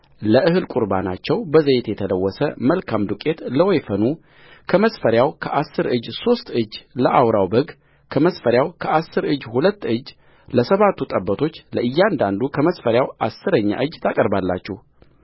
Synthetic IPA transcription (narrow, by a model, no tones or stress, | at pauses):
ləʔɨhɨlkʼuɾba̰na̰t͡ʃːɛwbəzəjɪt̪jɛt̪ʰələwːɔsəməlkʰamd̪ukʼe̞t̪ləwɔjfənu | kʰəməsfəɾjawkʰəʔasːɨɾʔɨd͡ʒːso̞st̪ʼɨd͡ʒːləʔawɾawbəɡ | kʰəməsfəɾjawkʰəʔasːɨɾɨd͡ʒːhulət̪ːɨd͡ʒː | ləsəβat̪ʰːut̪ʼəbːət̪ʰo̞t͡ʃːləʔɨjːand̪and̪ukʰəməsfəɾjawasːɨɾəɲːa̰ʔɨd͡ʒːt̪ʰakʼəɾbalːa̰t͡ʃːɛh